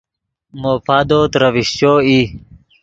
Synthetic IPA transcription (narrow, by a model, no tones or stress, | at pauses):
moːpaːd̪oːt̪ɾəʋiɕt͡ɕoːi